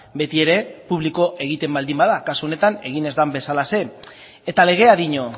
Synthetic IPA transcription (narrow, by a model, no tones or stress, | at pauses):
be̞t̪ie̞ɾe̞puβ̞liko̞ʔe̞ɣit̪e̞mbald̪imbaðakasuo̞ne̞t̪ane̞ɣ̞ine̞zd̪ambe̞salase̞ | et̪ale̞ɣ̞e̞aðiɲo